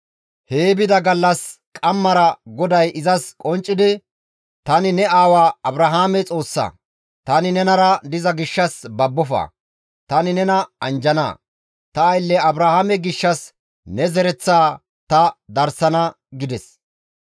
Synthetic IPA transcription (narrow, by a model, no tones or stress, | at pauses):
heːbɪd̪ɐɡɐlːɐskʼɐmːɐɾɐɡɔd̪ɐjʔɪzɐskʼɔnt͡ʃʼːɪd̪ɪ | t̪ɐnɪnɛaːwaːɐbɾɐɦaːmɛt͡sʼo̞ːsːɐ̰ | t̪ɐnɪnɛnɐɾɐd̪ɪzɐɡɪʃːɐsbɐbːɔfa̰ː | t̪ɐnɪnɛnɐɐnd͡ʒɐna̰ː | t̪ɐːjlːɛɐbɾahaːmɛɡɪʃːɐs | nɛzɛɾɛt͡sːaː | t̪ɐd̪ɐɾsɐnɐ | ɡɪd̪ɛs